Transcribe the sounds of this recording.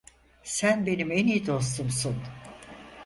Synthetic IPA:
sænbe̞nime̞nijid̪o̞s̬t̪umsun

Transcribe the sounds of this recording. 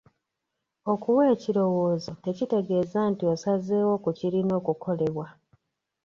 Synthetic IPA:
o̞kuweːciɾo̞wo̞ːzote̞cite̞ɡe̞ːzantiosazeːwo̞kuciɾino̞ːkukʰo̞leβwa

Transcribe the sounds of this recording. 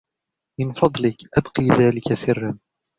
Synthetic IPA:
mɪnfɑd̪ˤlɪkʔabqiːðaːlɪkasɪrːan

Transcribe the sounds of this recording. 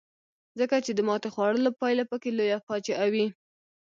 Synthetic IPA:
zəkat͡ʃed̪əmɑt̪exwɑɽəlopɑjlapəkelojapɑt͡ʃaʔawi

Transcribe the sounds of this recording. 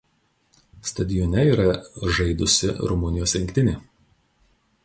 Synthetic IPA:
st̪ɐd̪ʲɪjɔnʲɛiːɾɐʒɐɪd̪ʊsʲɪ̰ɾʊmʊnʲɪjoːsɾʲɪŋʲkʲt̪ʲɪnʲeː

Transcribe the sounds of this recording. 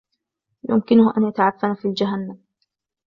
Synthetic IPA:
jʊ̰mkɪnʊhʔanjat̪aʕafːanafild͡ʒaɦanːam

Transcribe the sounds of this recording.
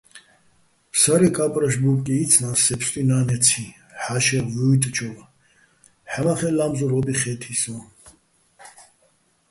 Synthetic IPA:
saɾɛkʼapʼɾaʃbupʼkʼiːt͡sʰnasɛpst̪ʼinaːnɛt͡sʰi | ħaʃɛɾvujt̪ʼt͡ʃʰɔva | ħamaχɛlamzɔɾɔbiχɛt̪ʰisɔ

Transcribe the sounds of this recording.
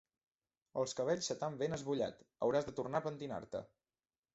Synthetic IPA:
əlˠskəβ̞ɛʎʲsət̪ambenəzβuʎa̰t̪ə̰wɾazðət̪urnapənt̪ina̰ɾt̪ə̰

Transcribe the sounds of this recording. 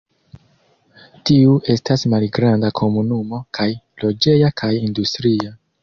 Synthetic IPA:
tiuʔe̞stasmalɡɾandakʰo̞munumo̞kʰaj | lo̞d͡ʒe̞jakʰajindustɾia

